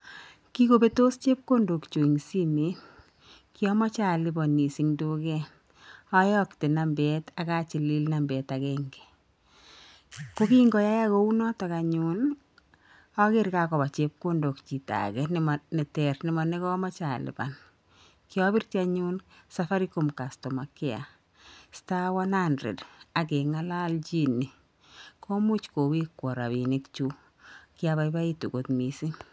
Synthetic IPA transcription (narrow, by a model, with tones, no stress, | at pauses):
ki˦ko˨be˦to˦st͡ʃe˦p̚ko˦ndo˨kt͡ʃo˨ŋsi˦mi˨˦ | kɪ˦ɔ˦mɔ˦t͡ʃa˦˨lɪ˦bɔ˨ni˨si˨ŋdu˦ɡɛ˦ | ɔ˦jɔ˦ktɪ˨na˨mbɛ˨ta˨ka˦t͡ʃi˨li˦lna˨mbɛ˨ta˨kɛŋɡɛ̥˨ | ko˦ki˦ŋɡɔ˨ja˦ja˦ko˦u˦nɔ˦tɔ˨ka˨ɲu˦n | ɔ˦kɪ˦ɾka˨kɔ˨ba˨t͡ʃe˦p̚ko˦ndo˨kt͡ʃi˨ta̰˨kɛnɪ˨mnɛ˨tɛ˨rnɪ˨mɔ˨nɛ˦kɔ˦ma˦t͡ʃa˨lɪ̰˨ba̰˨n | kɪ˦ɔ˦bi˦ɾt͡ʃa˦ɲunsafa˦ɾi˦ko˨mka˨stɔ˨ma˨kɪ˦a̰˨ | sta˦wa˦nandɾɛ̰˨da˨k̬e˨ŋa˦la˦lt͡ʃi˦ni˨ | kʰo˦mu˦t͡ʃko˨wi˦kwɔ˨ɾa˨βi˨nɪ˦kt͡ʃu˦ | kɪ˦a˦βa˦ba˦i˦tu˨ko˨t̪mi˨si˦